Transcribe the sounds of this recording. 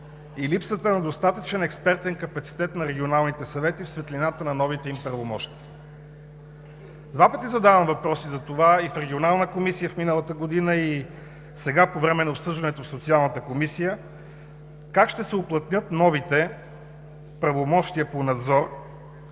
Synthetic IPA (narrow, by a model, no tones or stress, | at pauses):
ilipsət̪ənɐd̪ost̪at̪ət͡ʃɛnɛkspɛɾt̪ɛnkɐpɐt̪si̥t̪ɛt̪nɐɾɛɡʲionalˠnit̪ɛsɐvɛt̪ifsvɛt̪linat̪ənɐnɔvit̪ɛimpɾɐvomɔʃt̪iə | d̪vapət̪izɐd̪avəmvɐpɾɔsizɐt̪ovaifɾɛɡʲionalˠnəkomisijəfminəlˠət̪əɡod̪inəi | sɛɡapovɾɛmɛnɐopsɤʒd̪ɐnɛt̪ofsot̪sialˠnət̪əkomisijə | kakʃt̪ɛsɛʊplˠɐt̪nʲɤt̪nɔvit̪ɛ | pɾɐvomɔʃt̪iəponɐd̪zɔɾ